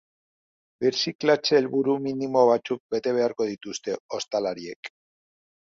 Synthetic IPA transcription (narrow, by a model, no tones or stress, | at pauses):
beɾsiklat͡ʃeːlβuɾuminimo̞β̞at͡suk̚be̞t̪e̞β̞e̞aɾko̞ð̞it̪ust̪e̞o̞st̪alaɾie̞k